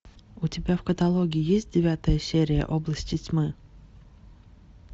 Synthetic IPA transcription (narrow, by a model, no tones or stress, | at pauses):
ʊtʲɪbʲafkət̪ɐlˠoɡʲɪɪjesʲt̚ʲdʲɪvʲat̪əjəsʲeɾʲɪjə̰ʔoblˠəsʲtʲɪtʲmɨ